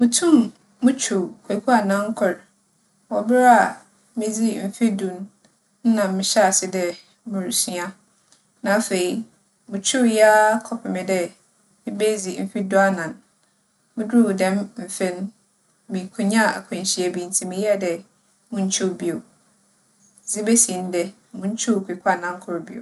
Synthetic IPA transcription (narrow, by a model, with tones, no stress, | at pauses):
mʊ̃˨tʰũ˦˨mː | ʊ̃˦t͡ɕʰo˨kʰe˨kʰu˦a˨nã˦ŋ̩˦kʰʊ˨ɾ | wɔ˨bɪ˦ɾa˨ | mɪ̃˦d͡zi˦m̩˨fi˦dũ˨n | n̩˦nã˨mmɪ̃˨ɕɛ˦a˨sɪ˦dɛ˨ | mɪ̃˨ɾu˨sɥi˦a˦ | nã˨˦fe˨i˦ | mʊ̃˨t͡ɕʰᶣu˦ja˦kʰɔ˨pʰɪ˨mɪ̃˨dɛ˦ | mɪ̃˦be˦d͡zi˨m̩˦fi˦du˦a˦nã˨n | mɪ̃˦du˦˨dɛ̃˦mm̩˨fẽ˦n˦ | mĩ˨kʰʊ˨ɲã˦˨a˨kʰʊ̃˨n˨ɕi˨e˨bĩ˨n˨tʰĩ˨mɪ̃˨jɛ˦˨dɛ˨ | mʊ̃˦ɲ̩˦t͡ɕʰʊ˦˨bi˨o˨ | d͡zi˦be˦sĩ˨n˦dɛ˨ | mʊ̃˦ɲ̩˦t͡ɕʰu˦˨kʰi˨kʰa˦˨nã˦ŋ˦kʰʊ˦ɾʊ˨bi˨o̰˨